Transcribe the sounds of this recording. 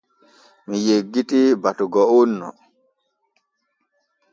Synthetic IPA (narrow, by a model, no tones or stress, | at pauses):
mijeɡːitibatuɡɔunːɔ̰